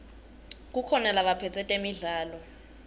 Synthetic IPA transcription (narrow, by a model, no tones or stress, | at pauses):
k̬ukʰɔnalaɓapʰɛt͡sʰɛtʼemiɮaːlɔ